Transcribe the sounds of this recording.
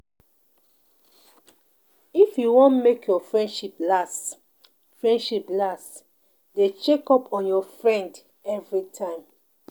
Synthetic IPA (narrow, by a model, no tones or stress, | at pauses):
ifjuwɔ̃nmekjɔfɹɛ̃ndʃiplas | fɹɛ̃ndʃiplas | det͡ʃɛkɔpʰɔ̃njɔfɹɛ̃nd | ɛvɹitʰãɪ̃m